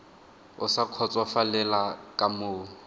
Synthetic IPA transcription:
ʊsakʰɔt͡sʼwafalɛlakʼamoː

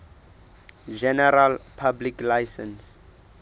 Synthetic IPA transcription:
d͡ʒɛnɛɾalpʰabliklajsɛns

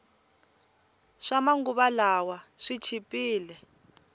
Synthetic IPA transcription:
ʂamaŋɡuβalawaʂit͡ʃʰipʼiːlɛ

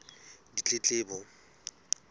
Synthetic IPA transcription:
dit͡ɬʼɪt͡ɬʼɪːbɔ

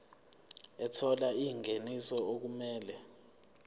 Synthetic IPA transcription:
ɛtʰɔlaiŋenisɔok̬umɛːlɛ

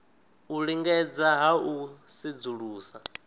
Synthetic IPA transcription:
uɺiŋɡɛd͡zaɦausid͡zuɺuːsa

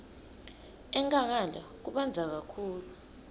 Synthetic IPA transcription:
ɛŋkʼaŋ̬alak̬uɓand͡zʱak̬akʰuːlu

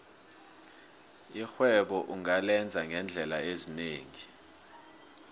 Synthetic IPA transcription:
ixwɛɓɔʔuŋalɛnd͡zʱaŋɛnd͡ɮʱɛlaezineːŋi

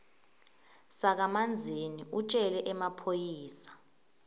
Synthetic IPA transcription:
sak̬amand͡zʱeniut͡ʃʼɛlɛʔɛmapʰojiːsḁ

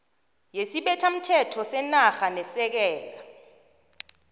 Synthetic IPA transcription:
jesiɓɛtʰam̩tʰɛtʰɔsɛnaxanɛsɛk̬ɛːl̬a

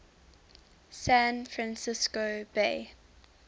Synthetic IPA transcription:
sæ̃nfɹãnsɪskobe

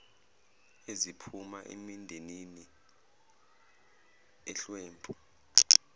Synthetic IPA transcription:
ezipʰumaʔḛmindʱenini | ɛɬwɛːmpʰʼɔ

